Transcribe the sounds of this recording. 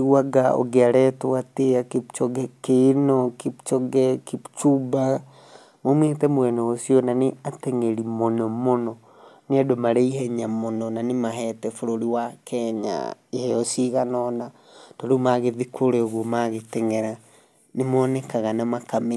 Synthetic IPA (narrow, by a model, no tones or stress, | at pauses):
waɡao̰ɡeaɾɛtwwateaket͡ʃɔɡɛkenɔket͡ʃɔɡɛkit͡ʃuba | momwetɛmwɛnɛosiɔnaneatɛŋeɾimonɔmonɔ | neadomaɾɛiɦɛɲamonɔnanemaɦɛtɛfoɾoɾiwakʰɛɲa̰ihɛɔsiɣanɔna | toɾomaɣeðikʰoɾeoɣwomaɣetɛŋɛɾa | nemɔːnɛkaɣanamakami